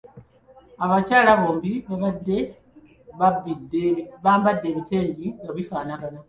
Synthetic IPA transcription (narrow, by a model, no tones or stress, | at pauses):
aβacaːlaβo̞ːmbiβaβadːe | βaidβaːmbadːe̞βite̞ːɲɟiŋɡaβifaːnaɡana